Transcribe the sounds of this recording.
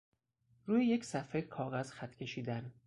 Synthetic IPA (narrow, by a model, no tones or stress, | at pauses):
ɾuːjeje̞cʰsæfekʰɒːɣæz̥xæt̪ʰcʰe̞ʃiːd̪æn